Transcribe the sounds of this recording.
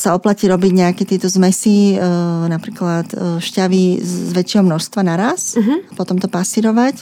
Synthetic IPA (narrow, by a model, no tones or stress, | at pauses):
saɔplaciːɾɔbiɟɲɛakɛt̪ɪɛt̪ɔzmɛsi | napɾiːklat̪ʃcaʋizʋɛt͡ʃːɛɦɔmnɔʃst̪ʋanaɾasɦapɔt̪ɔmt̪ɔpasiɾɔʋac